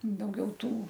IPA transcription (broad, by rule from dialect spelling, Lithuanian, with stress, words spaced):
dɐʊˈɡʲɛʊ ˈtuː